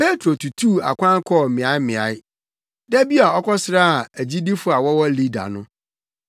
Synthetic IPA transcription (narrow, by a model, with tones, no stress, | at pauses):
pe˦tʰɾo˨tʰu˨tʰu˦˨a̰˨kʷʰã˦ŋ˦kʰɔ˦˨mɪ̃˨a˦ɪ˦mɪ̃˨a˨˦ɪ˦ | dɛ˦bi˦a˨ɔ˦kʰɔ˦sɪ˦ɾa˦a˨æ˨d͡ʑi˦di˦fʊ˦a˨wɔ˦wɔ˦li˦da̰˨nʊ̃˦